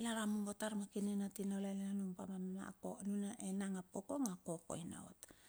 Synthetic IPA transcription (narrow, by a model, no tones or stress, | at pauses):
laɾamuŋbotaɾmakinenatinalalanumpamama̰konunaʔenaŋapokoŋakoko̰ina̰ot